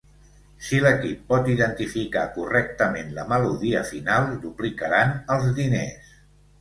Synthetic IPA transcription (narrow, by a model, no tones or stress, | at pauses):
siləkipːɔt̪iðənt̪ifika̰kurɛk̚t̪əmenləməluðiəfinalˠd̪uplikəɾanəlˠzðinḛs